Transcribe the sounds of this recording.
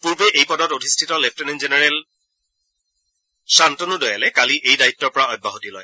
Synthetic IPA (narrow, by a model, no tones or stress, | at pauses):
puɹbeʔejpɔdɔtodʱistʰitɔlefʰteninzenɛɹɛl | santonudɔjalɛkaliʔejdaitːɔɹpɔɹaɔj̚bʱːaɦotilɔj